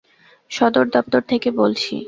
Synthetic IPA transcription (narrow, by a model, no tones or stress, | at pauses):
ʃɔd̪oɾd̪ɔp̚t̪oɾt̪ʰekebolt͡ɕʰḭ